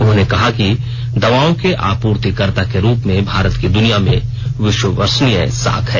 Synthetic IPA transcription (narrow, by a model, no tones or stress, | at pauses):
ʊnɦõːnekɐɦaki | d̪ɐʋaːõkeʔaːpuːɾt̪ikəɾt̪akeɾuːpmẽbʱaːɾət̪kid̪ʊnijamḛ̃ | ʋɪʃwəʋəɾsnijəsa̰ːkʰɦɛː